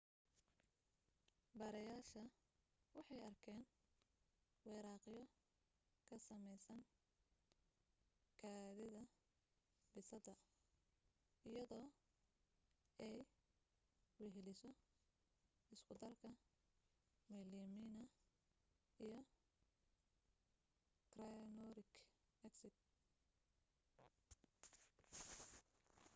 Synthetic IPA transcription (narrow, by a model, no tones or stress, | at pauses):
bɐɾɐjaːʃɐ | wɑħɑjɐrkʰɛːn | wɛːɾaːqɪjɔ | kʰɐsɐmɛjsɐn | kʰaːðɪðɐ | bɪsɐd̪ɐ | ɪjɐðɔː | ɛj | wɛɦɪlɪsɔ | ɪskʊd̪ɐrkʰɐ | miliminɐ | ijɞ | krajnɔɾɪkʰ | mɛksɪt̪